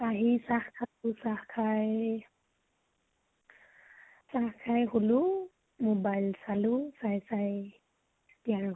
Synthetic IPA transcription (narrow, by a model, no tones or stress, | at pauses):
aɦisahkʰatusahkʰaj | sahkʰajhulu | mobajlsalusajsaj | tijaɹ